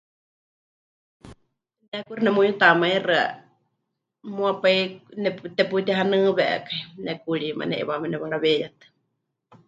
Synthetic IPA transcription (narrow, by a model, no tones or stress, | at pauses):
nɛkurinɛmuɲut̪amairɨa̰ | muapainɛt̪ɛput̪ɛɦanɨːβɛʔɛ̰kainɛkuɺima̰nɛ̰ʔḭβamɛnɛβaɺaβɛjat̪ɨ̥